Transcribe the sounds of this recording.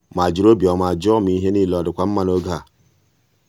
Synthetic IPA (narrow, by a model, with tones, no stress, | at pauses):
ma˨d͡ʒi˨ɾo˦bi˨o˨ma˨d͡ʒɔ˦mi˨˦ɦe˦ni˦lɔ˨di˨kʷa˦mː˦a˦no˦ɡa˦˨